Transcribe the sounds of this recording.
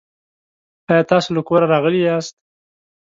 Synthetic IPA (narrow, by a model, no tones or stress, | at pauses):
ɑjɑːt̪ɑsoləkoɾaɾɑɣəliɑst̪̚